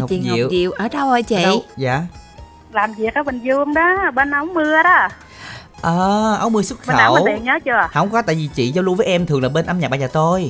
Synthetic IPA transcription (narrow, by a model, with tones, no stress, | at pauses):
t͡ɕḭ˧˨zḭ˨˧˨əwzḭ˧˨əwʔəː˧˩ɗa˧wʔə˧˩t͡ɕḭ˨˧˨wzaː˧˩ | laː˨˩mvi˨˩ək̚ʔa˨˦mə̈˨˩ŋzu˧əŋɗɔ˨˦ɓə˧nʔə˨˧˦wŋ͡mmɨ˧əɗɔ˨˦˥ | ʔəː˨˩ʔə˨˦wŋ͡mmɨ˧əswə˦˥t̚xəː˨˧˨ə˧wi˨nɲəː˨˦t͡ɕu˧˩əhə̰˧˦wŋ͡mkɔ˨˦t̪a̰ː˧˨vi˨˩t͡ɕḭ˧˨zɔ˧lu˧vəː˨˦jʔɛ˧mt̪ʰɨ˨˩əŋlaː˨˩ɓe˧nʔa˧mɲa˨˩ɓaː˧˩zəː˨˩t̪ʰo˧j